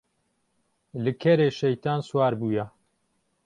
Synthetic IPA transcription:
lɨkʰɐɾeːʃɐjt̪ʰaːnswaːɾbuːjɛ

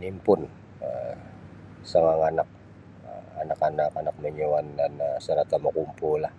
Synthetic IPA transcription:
nimpʊn | ə | səŋaŋanak̚ | əanakanakanak̚məɲuwandanəsəɾat̪aməkumpulah

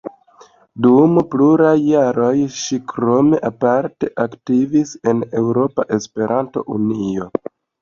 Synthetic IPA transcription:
dumpluɾajːaɾo̞jʃikɾo̞me̞ʔapaɾte̞ʔaktivise̞ne̞wɾo̞paʔe̞spe̞ɾʔanto̞̰ʔunio̞

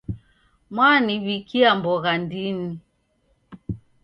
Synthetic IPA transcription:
mwaniβikiambɔɣandini

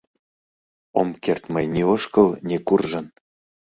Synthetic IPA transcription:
omkert̪mɤjnʲeoʃkɤlˠnʲekurʒɤ̆n

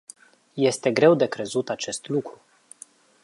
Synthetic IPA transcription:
je̞st̪e̞ɡɾe̞wd̪e̞kɾe̞zut̪at͡ʃe̞st̪lukɾu

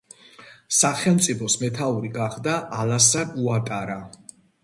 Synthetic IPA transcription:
saχɛlˠmt̪sʼipʰɔsmɛt̪ʰauɾiɡaχd̪aʔalasaɾuat̪ʼaɾa

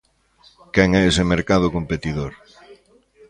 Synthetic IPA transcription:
kɛŋɛesemeɾkað̞ʊkompet̪iðoɾ

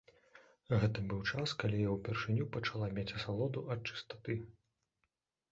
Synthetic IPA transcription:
ɣɛt̪ɐbɨwt͡ʂaskalʲijawpʲɛrʂɨnʲupɐt͡ʂalˠamʲet͡sʲɐsalˠɔd̪uʔɐt̪̚t͡ʂɨ̥st̪ḁt̪ɨ

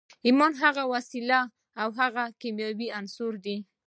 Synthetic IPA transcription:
imɔnɦaɣawasilaː | wɦaɣakimjɑwiansuɾd̪i

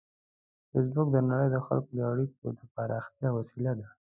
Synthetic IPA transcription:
fes̬bʊk̚d̪ənaɽəjd̪əxa̰lkod̪əaɽik̚od̪əpɑɾɑxt̪jɑwasilad̪a

